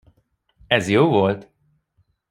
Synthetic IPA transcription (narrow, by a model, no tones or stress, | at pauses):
ɛzjoːvolt̪